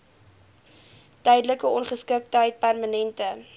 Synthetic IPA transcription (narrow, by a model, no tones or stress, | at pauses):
tœjdələkəɔnχəskək̚tɦəjt̚pærmanɛntə